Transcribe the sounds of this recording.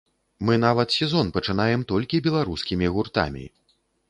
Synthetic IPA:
mɨn̪avɐt̪sʲɛzɔnpɐt͡ʂɨn̪ajɛmt̪ɔlʲkʲibʲɛlˠaɾuskʲimʲiɣurt̪a̰mʲḭ

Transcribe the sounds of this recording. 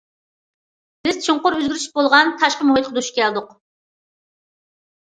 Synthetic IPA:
bɪz̥t͡ʃʰiɴqʊɾøzɡʲyɾyʃbolˠʁɑnt̪ʰɑʃqəmuɦjt̪̚qʰəd̪uʃi̥kʲʰɛld̪ʊq

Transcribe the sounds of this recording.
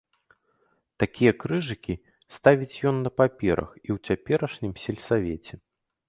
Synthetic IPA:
t̪akʲijɐkɾɨʐɨkʲi | st̪avʲit͡sʲjɔnːɐpapʲɛɾɐ̰xiwt͡sʲapʲɛɾɐʂnʲimsʲɛlʲsavʲɛt͡sʲɛ

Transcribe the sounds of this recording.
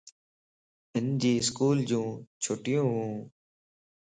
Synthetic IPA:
ɪnd͡ʑiːɪskuːld͡ʑũːt͡ɕʰoːʈɪjũːɦũː

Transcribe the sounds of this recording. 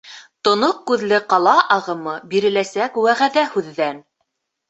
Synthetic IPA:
t̪ŏnoq̚kʉðlɘqɑlˠɑʔɑʁɤ̆mɤbiɾɘ̆læsækwæʁæðæhʉðːæn

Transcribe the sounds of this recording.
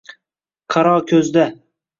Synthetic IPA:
qʰɑɾɒkʲʰɵzd̪a

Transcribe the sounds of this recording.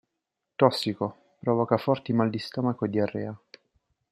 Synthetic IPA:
t̪ɔsːiko | pɾɔvɔkafɔrt̪imald̪ist̪ɔmakod̪iarːɛːa

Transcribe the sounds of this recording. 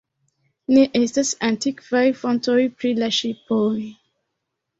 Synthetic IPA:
neʔestasãntikvajfɔ̃ntojpɾilaʃipoj

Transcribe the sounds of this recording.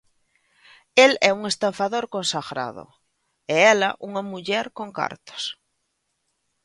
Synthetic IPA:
elɛuŋest̪aɱfaðoɾkõnsaɣɾa̰ðo̰ | eɛlaʔuŋamuʎɛɾkoŋka̰ɾt̪o̥s

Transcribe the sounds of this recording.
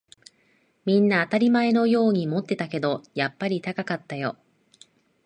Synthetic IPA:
mʲĩnːaːt̪aɾʲimae̞no̞jo̞ːɲ̟imo̞t̪ːe̞t̪ake̞d̪o̞japːaɾʲit̪akakat̪ːajo̞̰

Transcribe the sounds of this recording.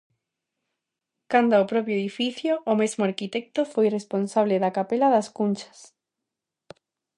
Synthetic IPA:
kand̪aopɾɔpjoeðifiθjoːmezmʊaɾkit̪ɛk̚t̪ofojresponsaβ̞leðakapelaðaskunʲt͡ʃɐ̥s

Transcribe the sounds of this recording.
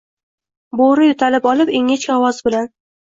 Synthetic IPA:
boɾɪjʊt̪ʰalɪpɒlɪpeŋet͡ʃkʲaɒwɒzbɪlan

